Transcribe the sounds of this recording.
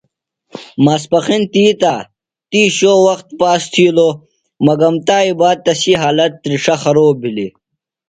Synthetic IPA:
mɐspɐxint̪iːt̪aː | t̪iːɕoːwɐxt̪̚paːst̪ʰiːlo | mɐɡɐmt̪aːibaːd̪̚t̪ɐsiɦaːlɐt̪ːɾiʂɐxɐɾoːbʱili

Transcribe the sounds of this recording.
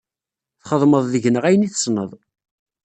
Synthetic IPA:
θχəðˤməðˤðəʝnəʁæjəniθə̥snəðˤ

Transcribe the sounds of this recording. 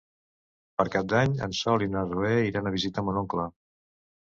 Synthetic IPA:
pəɾkap̚d̪aɲə̰nsɔlinarueiɾanəβizit̪əmunoŋklə

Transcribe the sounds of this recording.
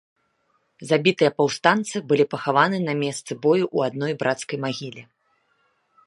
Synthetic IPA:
zabʲit̪ɨjɐpɐwst̪ant̪sɨbɨlʲipɐxavanɨnɐmʲɛst̪sɨbɔjuʔuad̪nɔjbɾʔat̪skɐjmaɣʲilʲi

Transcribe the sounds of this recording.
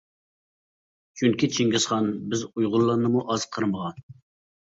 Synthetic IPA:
t͡ʃʰyŋkʲit͡ʃʰiŋɡʲɪsχɑnbɪzujʁʊlˠːɑnɨmuʔɑz̥qʰəɾɨməʁɑn

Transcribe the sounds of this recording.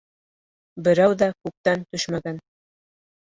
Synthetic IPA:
bɘ̆ɾæwðækʉp̚t̪ænt̪ɵʃmæɡæn

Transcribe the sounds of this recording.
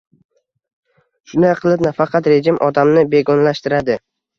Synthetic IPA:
ʃʊnaqʰɨlˠɪpnafɑqʰɑt̪ɾe̞d͡ʒɪmʔɒd̪amnɪbe̞ɡɒnlaʃt̪ɪɾad̪ɪ

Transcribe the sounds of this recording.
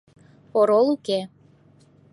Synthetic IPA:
oɾolˠuke

